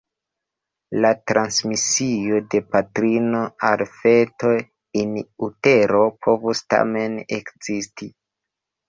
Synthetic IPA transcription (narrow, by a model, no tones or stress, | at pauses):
latɾansmisiode̞patɾino̞alfe̞to̞ | inute̞ɾo̞pʰo̞vusta̰me̞nekz̥isti